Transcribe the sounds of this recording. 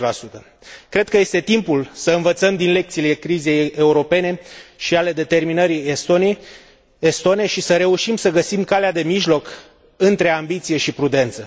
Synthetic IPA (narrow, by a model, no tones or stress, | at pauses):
lasut̪ə | kɾe̞d̪̚kəje̞st̪e̞t̪impulsəɨnvət̪səmd̪inle̞k̚t̪sile̞kɾize̞jeuɾo̞pe̞ne̞ʃiale̞d̪e̞t̪e̞rminəɾi | est̪oneʃisəɾe̞uʃimsəɡəsimkalead̪e̞miʒlo̞k | ɨnt̪ɾe̞ambit̪sije̞ʃipɾud̪e̞nt̪sə